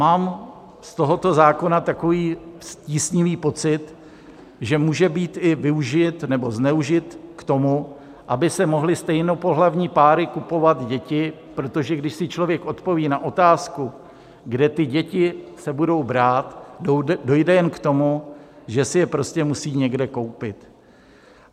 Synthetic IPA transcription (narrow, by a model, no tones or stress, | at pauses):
maːm | st̪o̞ɦo̞t̪o̞zaːko̞nat̪ako̞viːsciːsɲɪviːpo̞t͡sɪt̪ | ʒɛmuːʒɛbiːt̪ɪvɪuʒɪt̪nɛbo̞znɛuʒɪt̪kt̪o̞mu | ʔabɪsɛmoɦlɪst̪ɛjnopoɦlavɲiːpaːɾɪkupo̞vat̪ɟɛcɪ | pɾo̞t̪o̞ʒɛɡdɪʃsɪt͡ʃlo̞vjɛkʔo̞t̪po̞viːnaʔo̞t̪aːsku | ɡdɛt̪ɪɟɛcɪsɛbudo̞wbɾaːt̪do̞jdɛjɛnkt̪o̞muʒɛsɪjɛpɾo̞scɛmusiːɲɛɡdɛko̞wpɪt̪